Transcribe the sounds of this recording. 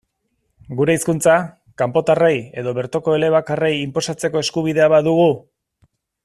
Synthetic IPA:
ɡuɾe̞iskunt͡sa | kampo̞t̪areje̞ðo̞βe̞ɾt͡s̪o̞ko̞e̞le̞β̞akare̞jimpo̞sat͡se̞ko̞e̞skuβ̞iðe̞aβaðuɣ̞u

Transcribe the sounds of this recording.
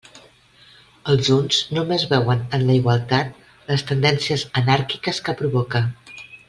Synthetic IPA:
əlˠzunz̥numezβɛwənənləiɣwəlˠt̪at̪̚ | ləst̪ənd̪ɛnsiəzənaɾki̥kəskəpɾuβɔkə

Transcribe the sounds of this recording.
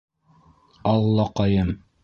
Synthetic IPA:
ɑlˠːɑqɑjɤm

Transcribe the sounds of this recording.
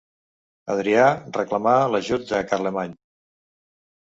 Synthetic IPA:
ə̰ðɾiarəklamaləʒut̪̚d̪əkaɾlemaɲ

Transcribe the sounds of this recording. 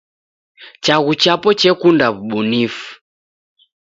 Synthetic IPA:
t͡ʃaɣut͡ʃapɔt͡ʃɛkundaβuɓunifu̥

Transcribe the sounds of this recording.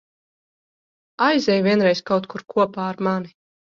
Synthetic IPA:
ajzɛjvʲiɛnɾɛjskawt̪kuɾkʰuɔpaːɾmani

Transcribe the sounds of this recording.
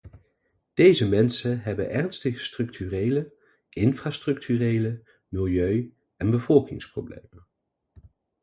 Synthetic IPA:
d̥ejzəmɛnsənɦɛbənʔɛrnstəχəstrɵktʰyrejlə | ʔɪnfraːstrɵk̚tʰyrejlə | mɪlˠjøɥ | ɛnbəvɔlˠkɪ̰ŋsprowblḛjmən

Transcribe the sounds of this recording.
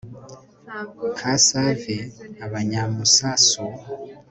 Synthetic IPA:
kʰasaveaβaɲamusaso

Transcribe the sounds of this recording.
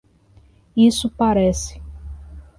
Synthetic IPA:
isʊpaɾɛsɪ̥

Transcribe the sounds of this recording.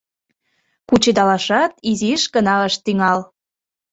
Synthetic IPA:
kut͡ɕed̪ɑlɑʃɑt̪iziʃɡənɑəʃt̪yŋɑl

